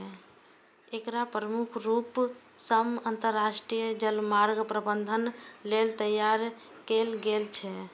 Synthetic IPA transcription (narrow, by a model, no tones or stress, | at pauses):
ekɾapɾəmukʰɾupsəmənt̪əɾːasʈɾijəd͡ʒəlmaɾɡpɾəbənd̪ʱənlelt̪əjaɾ | kelɡelt͡ʃʰɛ